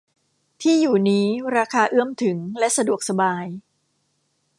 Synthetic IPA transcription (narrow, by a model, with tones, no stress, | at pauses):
t̪ʰiː˥˩juː˨˩niː˦˥ɾaː˧kʰaː˧ʔɯ˥˩əmt̪ʰɯ˩˦ŋlɛ˦˥ʔsa˧du˨˩ək̚sa˧baː˧j